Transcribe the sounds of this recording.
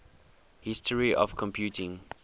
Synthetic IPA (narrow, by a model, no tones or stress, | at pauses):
hɪstʰəɹiʔɔ̰fkʰɔ̃mpʰjuːtʰɪ̃ŋ